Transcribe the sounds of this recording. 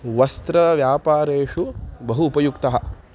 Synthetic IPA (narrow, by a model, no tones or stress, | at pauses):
ʋɐst̪ɾɐʋjaːpaːɾeːʂubɐɦuːpɐjukt̪ɐɦɐ̆